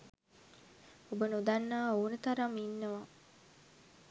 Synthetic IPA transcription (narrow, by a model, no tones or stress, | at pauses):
obənud̪anːaːoːnət̪aɾaminːəʋa